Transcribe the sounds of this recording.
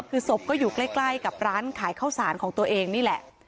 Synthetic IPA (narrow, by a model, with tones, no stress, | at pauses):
kʰɯː˧so˨˩p̚kɔː˥˩juː˨˩kla˥˩jkla˥˩jka˨˩p̚ɾaː˦˥nkʰaː˩˦jkʰaː˥˩wsaː˩˦nkʰɔː˩˦ŋt̪u˧ɐʔeː˧ŋniː˥˩lɛ˨˩ʔ